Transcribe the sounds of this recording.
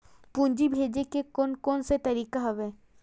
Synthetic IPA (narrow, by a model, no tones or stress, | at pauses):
pũːɲd͡ʒibʱeːd͡ʒekekoːnkɔːnset̪ɐɾiːkaɦɐʋɛː